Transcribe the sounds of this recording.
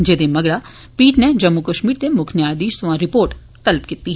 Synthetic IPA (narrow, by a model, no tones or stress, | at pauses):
d͡ʒeːd̪eːməɡɽaː | piːʈneːd͡ʒəmːukəʃmiːɾt̪eːmʊkʰnjaːd̪iːʃsʊʋãːɾɪpoːɾʈ | t̪əlpkɪt̪ːiː